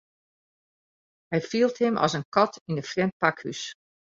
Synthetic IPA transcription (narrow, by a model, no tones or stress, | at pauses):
hɛjfiəlˠthɪmʔɔ̰sənkɔtinəfrɛmt̚pakhy̰s